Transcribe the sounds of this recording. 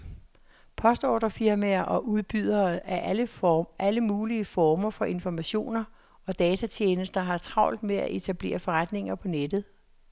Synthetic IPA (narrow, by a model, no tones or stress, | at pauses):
pʰɒ̽sd̥ɒ̰ːd̥ɐfiɐmæɐʔɒ̽ʔuð̞ˠb̥yð̰ˠɐæɐ | ʔæləmuːliəfɒːmɐfɒ̽ʔe̝nfɒmæɕo̝̰ːnɐ | ɒ̽d̥ɛːt͡sʰæt͡ɕʰeːnəsd̥ɐɦɑ̈t͡sʰʁɑ̈ʊ̰ld̥meæ̰ʔe̝t͡sʰæb̥le̝̰ːɐfɒ̽ʁad̥ne̝ŋɐpʰɒ̽ned̥ð̩ˠ